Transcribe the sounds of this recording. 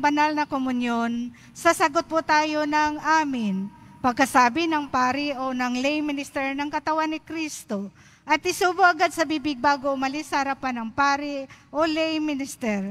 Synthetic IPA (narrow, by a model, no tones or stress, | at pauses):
bɐnalnɐkomʊnjon | sɐsɐɡot̪̚pʊt̪aːjo̞nɐŋʔaːmɪnpɐɡ̚kɐsaːbɪnɐŋpaːɾɪʔonɐŋlɛjmɪnɪst̪ɛɹnɐŋkɐt̪ɐwanːɪkɾist̪o̞ | ʔɐt̪̚ʔɪsuːbʊʔɐɡad̪̚sɐbiːbɪɡ̚baːɡoʔʊmɐlɪsɐhɐɾɐpanɐŋpaːɾɪʔolɛjmɪnɪst̪ɛɾ